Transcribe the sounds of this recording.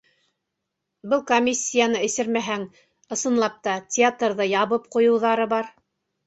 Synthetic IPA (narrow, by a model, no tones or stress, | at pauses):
bɤlˠkomʲisʲːijanɤɘ̆sɘɾmæɦæŋ | ɤ̆sɤ̆nlˠɑp̚t̪ɑtʲɪat̪rðɤjɑβɤp̚qŭjɤ̆wðɑɾɤbɑɾ